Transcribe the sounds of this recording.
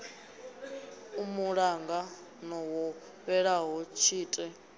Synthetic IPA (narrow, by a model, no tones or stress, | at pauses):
umuɺaŋɡa | nɔwɔ | ɸɛɺaɦɔt͡ʃʰiːtʼɛ